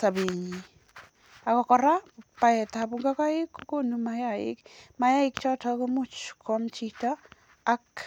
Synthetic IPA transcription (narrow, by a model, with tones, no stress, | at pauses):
sa˨be˨ɲi˨ | a˨kɔ˨kɔ˨ɾa˦pa˨ɛ˨ta˨bu˨ŋɡa˦ka˦ɪ˦kːo˦ko˦numaja˨ɪ̰˦kma˨ja˦ɪ˦kt͡ʃɔ˦ta˦ko˦mʊ˦t͡ʃkʰɔ˦mt͡ʃi˦taː˦ | k